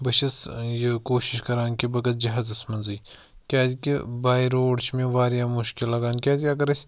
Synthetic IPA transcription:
bɐʃɐsjekoːʃiʃkɐɾaːnkibɐɡɐt̪̚d͡ʒɐɦaːzɐsmɐnziː | kʲaːt̪kʲibaːiɾoːɽt͡ʃʰmẽʋaːɾjaːmʊʃkilːɐɡaːnkʲaːt̪ʲkʲaːk̬ɐɾɐsʲ

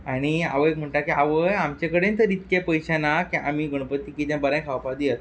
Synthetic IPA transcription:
aɽ̃ia̰ʋəek̚m̤əɳʈakiaʋəjamt͡ɕekəɽent̪əɾit̪kẽpəjɕanakĩʔamiɡəɽ̃pət̪ːiːkit̪jãbəɾãjkʰaʋpad̪iət̪

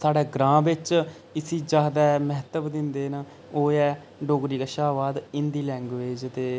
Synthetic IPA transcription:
saːɖɛːɡɾãːʋɪt͡ʃ | ɪsiːd͡ʒaːd̪ɛːmɛɦt̪əbd̪ɪnd̪eːn | oːɛː | ɖoːɡɾiːkaːʃaːʋaːd̪ɪnd̪iːlɛ̃ːŋɡʋeːd͡ʒt̪eː

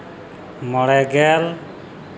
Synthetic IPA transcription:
mɔɽɛɡɛl

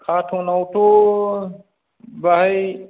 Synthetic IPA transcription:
kʰaːʈʰõːnaːʈʰoː | baɦi

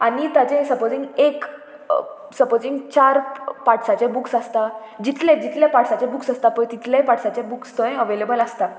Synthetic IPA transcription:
anit̪at͡ɕesəpod͡zĩŋɡek | səpod͡ziŋɡt͡ɕaɾpaʈʰsat͡ɕẽbuksəst̪a | d͡ʑit̪ʰled͡ʑit̪ʰljapaʈsat͡ɕẽbuksəst̪apəjt̪it̪ʰlepaʈsat͡ɕebukst̪oẽəʋelebələst̪a

